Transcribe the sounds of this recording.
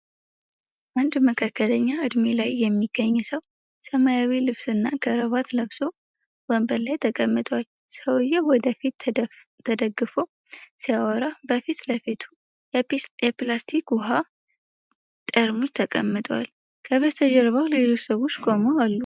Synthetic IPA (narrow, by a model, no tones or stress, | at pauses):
ʔand̪məkʰakːələɲːaʔɨd̪melajːɛmːiɡ̥ːəɲːsəw | səmajawilɨβsɨnːakʰəɾəβat̪ləβso̞ | wɔmbəlːajt̪ʰəkʼəmːɨt̪ʼwal | səwjɛwɔd̪əfit̪ | t̪ʰːəd̪əɡːɨfo̞ | sijawɔɾabəfit̪ləfit̪ʰu | jɛplast̪ʰikwʊɦa | t̪ʼəɾmut̪ʰəkʼə̰mːɨt̪ʼwa̰l | kʰəβəst̪ʰəd͡ʒɛɾβawlelo̞t͡ʃːsəβo̞t͡ʃːkʼo̞moalːu